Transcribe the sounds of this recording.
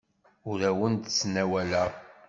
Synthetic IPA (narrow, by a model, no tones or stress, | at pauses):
ʊɾæwənd̪t͡sːnæwælæ